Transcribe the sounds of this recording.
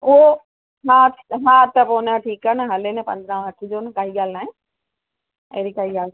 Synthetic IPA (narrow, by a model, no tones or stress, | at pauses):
ʊɦo | mãmãːt̪ɐpoːnəʈʰiːkənɦɐlenɛpɐ̰̃nd̪ɾãːɦɐʈʰɪd͡ʑoːnkaːɦiɡaːlnaːɦẽ | ɐ̰ːɾikaːɦiɡaːl